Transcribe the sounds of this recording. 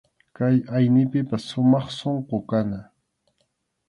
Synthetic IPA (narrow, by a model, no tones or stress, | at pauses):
kajajnɪpɪpasːʊmɑχsoɴqokana